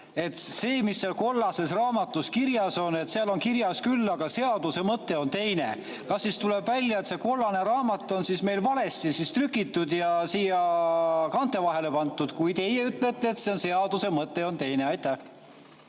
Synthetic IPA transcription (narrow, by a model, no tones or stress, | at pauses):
e̞t̪ˑse̞ːmisːelko̞lːɑse̞srɑːmɑt̪ːˑuskirjɑso̞ne̞t̪seɑlo̞nkirjɑskylːɑɡ̥ɑse̞ɑd̪̥use̞mɤt̪ːe̞o̞nt̪e̞jne | kɑsːist̪ule̞bvælʲjɑe̞t̪se̞ko̞lːɑne̞ɾɑːmɑt̪ːˑo̞nsisme̞jlvɑle̞st̪isist̪rykˑːit̪ːud̪jɑsiːjɑkɑnt̪ːˑe̞vɑɦe̞le̞pɑnt̪ːˑud̪̥kujd̪e̞jeyt̪ːˑle̞t̪ːˑeːt̪seonse̞ɑd̪use̞mɤt̪ːˑe̞o̞nt̪e̞jneɑjt̪ːˑæh